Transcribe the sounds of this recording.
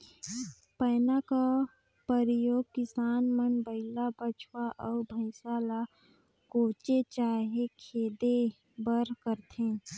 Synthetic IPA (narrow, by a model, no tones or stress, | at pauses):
pəːnaka | pəɾjoːɡ̚kɪsaːnmənbəɪlabət͡ʃʰwaʔɔːbʱəɪsaːla | koːt͡ʃet͡ʃaːɦekʰeːd̪e | bəɾkəɾt̪ʰẽː